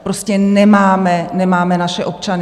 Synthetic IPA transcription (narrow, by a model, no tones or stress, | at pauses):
pɾo̞scɛnɛmaːmɛnɛmaːmɛnaʃɛʔo̞p̚t͡ʃanɪ